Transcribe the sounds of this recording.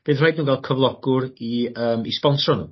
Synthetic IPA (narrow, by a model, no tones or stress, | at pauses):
b̥eːðrajdnuːɡalˠkʰəvlˠɔɡ̥ʊɾiəːmispɔnsrɔnṵ